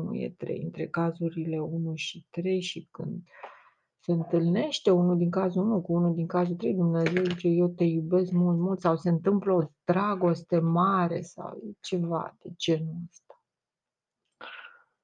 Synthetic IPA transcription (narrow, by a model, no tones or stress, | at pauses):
nṵjḛt̪ɾḛjɨnt̪ɾe̞kazuɾile̞unuʃit̪ɾe̞jʃikɨ̰nd̪ | se̞ɨnt̪ɨlne̞ʃt̪e̞unud̪iŋkazuunukuunud̪iŋkazult̪ɾe̞jd̪umneze̞wd̪it͡ʃejewt̪e̞jube̞skmult̪mult̪sawse̞ɨnt̪ɨmpləod̪̥ɾaɡo̞st̪e̞maɾe̞̰sa̰wjt͡ʃe̞va̰d̪̥ed͡ʒe̞nuəst̪ḁ